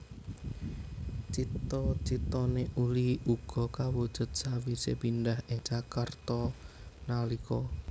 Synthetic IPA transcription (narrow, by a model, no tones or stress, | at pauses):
t͡ʃit̪ɔt͡ʃit̪ɔneʔuliuɡ̥ɔkawud̥ʒ̥ʊt̪̚sawisepinɖahɪŋt͡ʃakart̪ɔ | nalikʰɔ